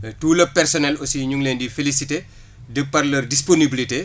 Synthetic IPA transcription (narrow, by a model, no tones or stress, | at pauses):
tuːlɐpːɛrsɔnɛlɔsiɲuŋlendifelisite | dəpːɐrlɐrdisponibilite